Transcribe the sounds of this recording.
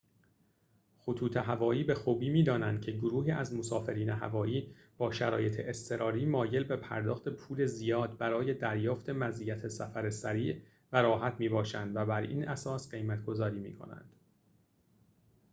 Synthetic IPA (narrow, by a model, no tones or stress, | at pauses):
xot̪ʰuːt̪ʰe̞ɦævɒːiːbe̞xuːbiːmiːd̪ɒːnænd̪̥̚cʰe̞ɡoɾuːɦiːæzmosɒːfe̞ɾiːneɦæ̰vɒːjiː | b̥ɒːʃæɾɒːje̞t̪ʰḛʔest̪ʰe̞ɾɒːɾiːmɒːje̞lbe̞pʰæ̰ɾd̪ɒ̰ːxt̪e̞pʰuːle̞zijɒːd̪̚bæɾɒːje̞d̪æɾjɒːft̪ʰe̞mæziːjæt̪ʰe̞sæfæɾesæɾiːʔ | væɾɒːɦæt̪ʰmiːbɒːʃænd̪væbæɾḭːnʔæsɒːsɢe̞jmæt̪ɡo̞zɒːɾiːmḭːkʰo̞̰næ̰nd̪̥